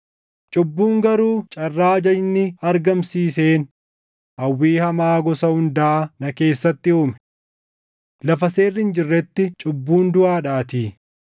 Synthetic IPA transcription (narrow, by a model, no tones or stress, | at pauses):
t͡ʃʼʊbːuːŋɡɐɾuːt͡ʃʼɐrːaːd͡ʒɐnːɪɐɾɡɐmsiːseːn | ʔɐwːiːhɐmaːɡɔsɐhʊnd̪ɐʔːnɐke̞ːsːɐt̪ːɪuːmɛ | lɐfɐseːrːɪnd͡ʒɪrːɛt̪ːɪt͡ʃʼʊbːuːnd̪ʊʔaːᶑaːt̪iː